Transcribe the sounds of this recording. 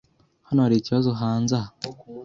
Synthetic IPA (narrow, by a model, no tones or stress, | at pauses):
hanoɾiciβazoɦaːnza